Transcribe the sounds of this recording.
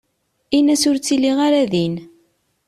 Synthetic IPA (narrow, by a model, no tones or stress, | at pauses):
inæsʊɾt͡sːilːiʁaɾæðin